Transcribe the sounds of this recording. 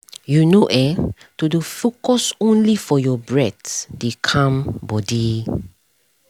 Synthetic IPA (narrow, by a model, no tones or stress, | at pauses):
junoʔɛ | tudufokɔsõnlifɔjɔbɹɛtdekʰãmbɔdi